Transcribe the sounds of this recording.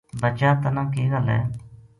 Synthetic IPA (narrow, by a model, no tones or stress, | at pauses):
bət͡ʃaːt̪ənãːkeːɡalɛ̰ː